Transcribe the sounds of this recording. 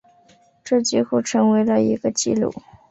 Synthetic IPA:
ʈ͡ʂɤ˥˩t͡ɕi˥˧xu˥˩ʈ͡ʂʰɤ˧˥ŋwe˧˥ɪlə˧i˧˥ɡə˧t͡ɕi˥˧lṵ˥˩

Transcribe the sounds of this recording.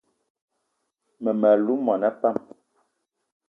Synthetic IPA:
mɛ˨mɛ˨lu˦mɔ˨nɛ˦pa˦˨m

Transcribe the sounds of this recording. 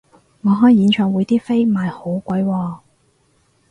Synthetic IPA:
ŋɔː˨˧ɦɔː˨˥jjiː˨˧nt͡ʃʰœː˨˩ŋwuː˨˧jt̪iː˥fe˥jmaː˨jho˨˥wkʷɐ˨˥jwɔː˧

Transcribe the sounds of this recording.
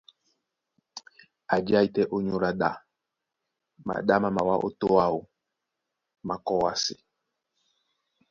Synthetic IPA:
a˨d͡ʒa˦i˦tɛ˦ʔo˦ɲo˦ɾa˨ɗa˨ | ma̰˨ɗa˦ma˨ma˨wa˦ʔo̰˦to˦a˦˨o˨ | ma˨kɔ˦wa˦sɪ̰˨

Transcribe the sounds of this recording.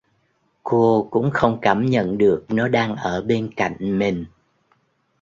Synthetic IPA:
ko˧kʊ̰˧˥ŋ͡mxə˧wŋ͡mkaː˧˩mɲə̰˧˨nɗɨ˨˩ək̚nɔ˨˦ɗaː˧ŋʔəː˧˩ɓe˧nka̰˧˨jŋ̟mï˨˩ŋ̟

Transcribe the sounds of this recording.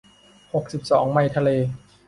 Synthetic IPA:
ho˨˩k̚si˨˩p̚sɔː˩˦ŋma˧jt̪ʰa˧leː˧

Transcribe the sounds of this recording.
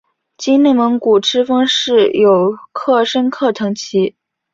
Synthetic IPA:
t͡ɕi˥ne˥˩mə˧˥ŋku˨˩ʈ͡ʂʰɻ̩˥fɑ˥ŋʂɻ̩˥˩jo˨˩ʊkʰɤ˥˩ʂə˥nkʰɤ˥˩t̪ʰɤ˧˥ŋt͡ɕʰi˧˥

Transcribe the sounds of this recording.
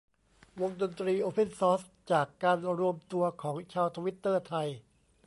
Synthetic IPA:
wo˧ŋdo˧nt̪ɾiː˧ʔoː˧pʰe˧˥˩nsɔː˦˥s | t͡ɕaː˨˩kːaː˧nɾu˧əmt̪u˧ɐkʰɔː˩˦ŋt͡ɕʰaː˧wt̪ʰa˧wi˦˥t̪ːɤː˥˩t̪ʰa˧j

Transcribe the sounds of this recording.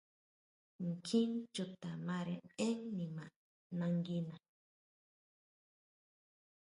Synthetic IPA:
ŋ˨kʰĩ˦nt͡ʃu˧t̪a˨mã˧ɾẽ˧ẽ˦ŋnĩ˨mã˨ | nã˧ŋɡi˧nã˨

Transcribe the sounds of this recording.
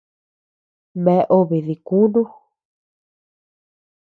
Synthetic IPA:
mẽ˧ʔo˧βi˨ði˨ku˦ndu˦

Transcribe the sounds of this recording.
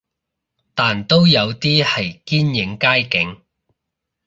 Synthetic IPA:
t̪aː˨nt̪o˥wjɐ˨˧wt̪iː˥hɐ˨jkiː˥njɪ˨˥ŋkaː˥jkɪ˨˥ŋ

